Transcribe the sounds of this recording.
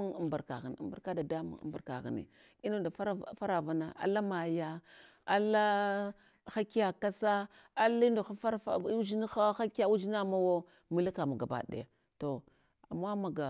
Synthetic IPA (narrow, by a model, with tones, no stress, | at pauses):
i˨mba˨ɾka̰˨ɣi˨n̰˨mba˨ka˦da˨da˦mṵ˦ŋ̰˦mba˨ɾka̰˨ɣḭ˨nḭ˨ | i˦no˦˨da˨fa˦ɾfa˦ɾa˨va˨˦na˨a̰˨la˦ma˨ja˦ | a˦la˦ | xa˦ki˦ja˨ka˦sa˦ | a˦li˦ndo˨xa˦fa˦ɾfa̰˦u˦d͡ʒi˦ni˦xa˦xa˦ka˦u˦d͡ʒi˦na˦˨ma˦wo˦ | mi˨li˦ka˨ma˨ɡa˨ba̰˨ɗḛ˨a˨ | to˨ | a̰˨mːa˦ma˨ɡa˨